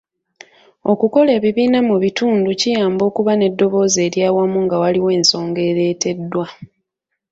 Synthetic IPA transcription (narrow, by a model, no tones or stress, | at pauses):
o̞̰kuko̞le̞ːβiβiːnamuβituːnducijaːmbo̞ːkuβane̞dːo̞βo̞ːze̞ːɾjaːwamuŋɡawaliwe̞ːnso̞ːŋɡe̞ːɾe̞ːte̞dːwa